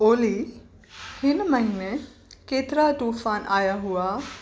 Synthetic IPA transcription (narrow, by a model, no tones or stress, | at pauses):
oːli | hɪnmɐɦine | keːt̪ɪɾaʈuːfaːnʔaːjaɦuaː